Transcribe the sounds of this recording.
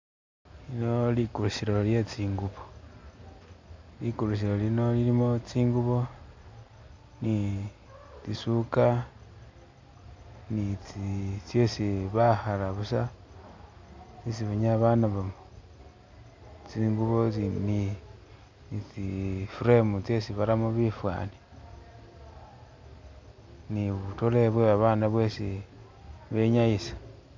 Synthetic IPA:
lino̞likulusiɾo̞lje̞t͡siːŋɡuβo | likulus̬iɾo̞lino̞lilimot͡siːŋɡuβo̞ | ni | t͡sisuka | nit͡sit͡sjesiβahalaβusa | t͡sisiβaɲaβanaβamo | t͡siŋɡuβot͡sini | it͡sifuɾemut͡sjesiβaɾamoβifwa̰ni | niβutoleβweβaβaːnaβwesi | βe̞ɲajisḁ

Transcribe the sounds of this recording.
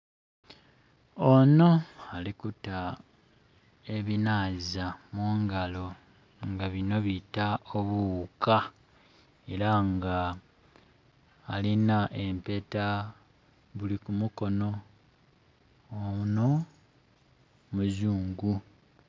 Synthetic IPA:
ono̞alikuta | e̞βinaːzamuŋɡalo̞ | ŋɡaβino̞βitaoβuka | e̞ɾaŋɡa | linaʔe̞mpe̞ta | βulikumuko̞no̞ | no̞ | muzuːŋɡu

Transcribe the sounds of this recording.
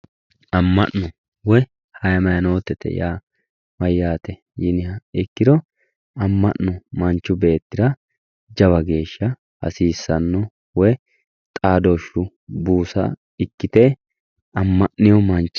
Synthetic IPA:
ɐmːɐnːɔ | wɔj | hɐjɐmɐjɐnoːt̪ːɛt̪ɛ̰jaː | mɐjːaːt̪ɛ | jɪnɪhɐɪkːɪd̪ɔ | ɐmːɐʔːɔmɐnt͡ʃːʊbe̞ːt̪ːɪd̪ɾɐ | d͡ʒɐβɐɡe̞ːʃːɐ | hɐ̰siːsːɐnːɔ | wɔj | t̪ʼaːd̪oʃːʊ | buːsɐ̰ | ɪkːɪt̪ɛ | ɐmːɐʔːɪjɔmɐnt͡ʃː

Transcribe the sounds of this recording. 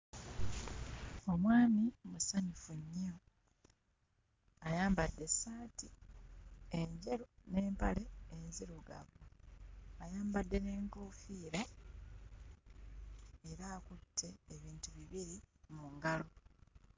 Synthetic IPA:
o̞mwaːmimusaɲufuɲːo | ajaːmbadːe̞saːti | eɲɟeɾune̞ːmpale̞ːnziɾuɡa̰βoajaːmbadːe̞ne̞ːŋkoːfiːɾa | eɾaːkutʰːe̞ːβiːntuβiβiɾimuŋɡalo

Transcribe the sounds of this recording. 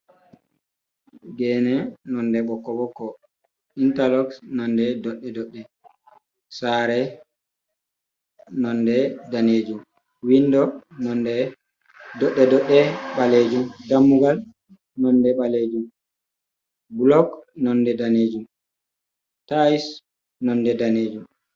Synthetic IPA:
ɡɛnɛnɔndɛɓɔkːɔɓɔkːɔ | intalɔksnɔndɛdɔɗːɛdɔɗːɛ | saɾɛ | nɔndɛdaneːd͡ʒum | windɔnɔndɛ | dɔɗːɛdɔɗːɛɓaled͡ʒumdamːuɡal | nɔndɛɓaled͡ʒum | bulɔɡnɔndɛdaneːd͡ʒum | tajs | nɔndɛdaned͡ʒum

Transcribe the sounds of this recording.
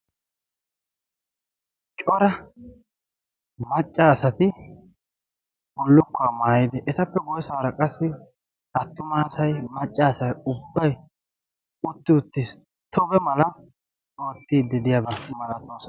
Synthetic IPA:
t͡ʃʼɔɾɐ | mɐt͡ʃʼːaːsɐt̪ɪ | bɔlːʊkːʊamaːjɪd̪ɛʔɛt̪ɐpːɛɡɔjsaːɾɐkʼɐsːɪ | hɐt̪ːʊmaːsɐjmɐt͡ʃʼːaːsɐjʊbːɐj | ʊt̪ːɪʊt̪ːɪ | t̪ʰɔbɛmɐlɐ | oːt̪ːiːd̪ːɪd̪ɪjabɐmɐlɐt̪oːs

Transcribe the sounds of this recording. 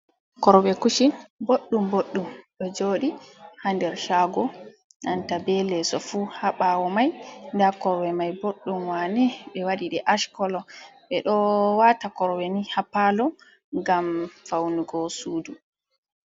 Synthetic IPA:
kɔɾɔwɛkuʃiboɗːumboɗːumɗɔd͡ʒoːɗihandɛɾʃaːɡɔ | nantabɛlɛsɔfuhaɓawɔmajndakɔɾwɛmajboɗːumwanɛɓɛwaɗiɗɛʔaʃkɔlɔɓɛɗɔwatakɔɾɔwɛnihapːalɔ | ŋɡamfawnuɡɔsuːdu

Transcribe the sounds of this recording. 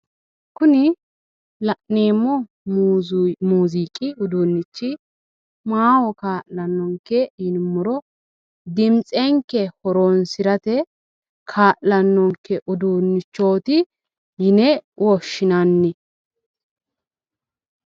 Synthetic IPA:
kʊnɪ | lɐʔneːmːɔ | muːziːkʼɪʊd̪uːnːɪt͡ʃːɪ | maːwɔkaːʔlɐnːɔŋkːɛjɪnmːʊɾɔ | d̪ɪmt͡sʼɛŋkːɛhɔɾonsɪɾɐt̪ɛ | kʰaːʔlɐnːɔŋkːɛʔʊd̪unːɪt͡ʃːo̞ːt̪ɪ | jɪnɛwɔʃːɪnanːɪ

